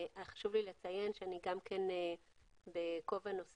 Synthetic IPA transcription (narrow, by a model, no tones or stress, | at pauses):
aχḁʃuvlilet͡saje̞nʃeaniɡamkʰene | beko̞vanos